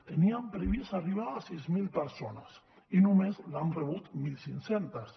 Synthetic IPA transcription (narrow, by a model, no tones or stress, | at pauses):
t̪eniampɾeβisariβaːsizmilpeɾsonas | inumezlanreβut̪milsinsent̪as